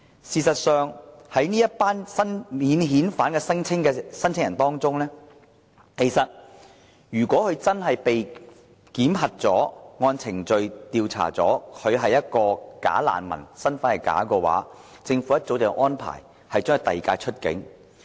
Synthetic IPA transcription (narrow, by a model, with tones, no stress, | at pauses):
siː˨˧sɐ˨t̚sœː˨˧ŋhɐ˨˥jniː˥jɐ˥t̚paː˥nsɐ˥nmiː˨˧nɦiː˨˥nfaː˨˥nkɛː˧sɐ˥ŋt͡sʰɪ˥ŋkɛː˧sɐ˥nt͡sʰɪ˥ŋjɐ˨˩nt̪ɔː˥ŋt͡sʊ˥ŋlɛː˥ | kʰe˨˩jsɐ˨t̚ | jyː˨˩kʷɔː˨˥kʰɵ˨˧ɥt͡sɐ˥nɦɐ˨jpe˨j | kiː˨˥mɦɐ˨t̚t͡sɔː˨˥ŋɔː˧nt͡sʰɪ˨˩ŋt͡ʃɵ˨ɥt̪iː˧wt͡sʰa̰ː˨˩t͡sɔː˨˥kʰɵ˨˧ɦɐ˨jːɐ˥t̚kɔː˧ka̰ː˨˥la̰ː˨nmɐ̰˨˩nsɐ˥nfa˥nhɐ˨jka̰ː˨˥kɔː˧wa̰ː˨˥ | t͡sɪ˧ŋfu˨˥jɐ˥t̚t͡so˨˥wt͡sɛː˨˧ʔɔː˥npʰa̰ː˨˩j | hɐ˨jt͡ʃœː˥ŋ˧t̪ɐ˨jkaː˧jt͡ʃʰɵ˥t̚kɪ̰˨˥ŋ